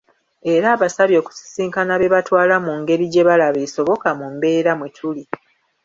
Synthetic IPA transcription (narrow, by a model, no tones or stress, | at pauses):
e̞ɾaːβasaβjo̞ːku̥si̥siːŋkanaβe̞βatwaːlamuŋɡe̞ɾiɟe̞βalaβeso̞βo̞kamumbe̞ːɾamwetʰuli